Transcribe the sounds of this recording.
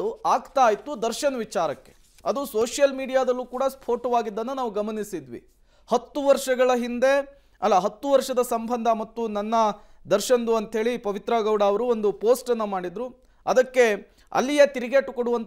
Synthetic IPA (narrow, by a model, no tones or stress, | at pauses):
uaːɡt̪aːjt̪ud̪ɐɾʃɐnɐʋit͡ʃaːɾɐkːe̞̥̰ | ɐd̪usoːʂjɐlmiːɽijaːd̪ɐlːuːkuːɽɐspʰoːʈɐʋaːɡid̪ːɐnːunaːʋuɡɐmɐnisid̪ʋḭ | hɐt̪ːuʋɐɾʂɐɡɐɭɐɦind̪e̞ | ɐlːɐɦɐt̪ːuʋɐɾʂɐd̪ɐsɐmbʱɐnd̪ʱɐmɐt̪ːunɐnːɐd̪ɐɾʃɐnd̪uɐnt̪ɦe̞ːɭipɐʋit̪ɾaɡɐʋwɽaːɐʋɐɾuond̪upoːsʈɐnːɐmaːɽid̪ɾu | ɐd̪ɐkːe̞ | ɐ̰lːijet̪iɾiɡeʈːukoɽuʋɐnt̪